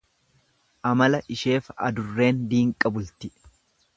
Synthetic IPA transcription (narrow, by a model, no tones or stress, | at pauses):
ʔɐmɐlɐʔɪʃe̞ːfɐ̰d̪ʊrːe̞ːnd̪iːŋkʼɐbʊlt̪ɪ